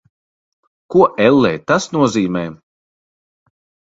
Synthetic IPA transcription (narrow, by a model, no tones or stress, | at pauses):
kuɔʔɛlˠːɛːjt̪asnuɔziːmɛː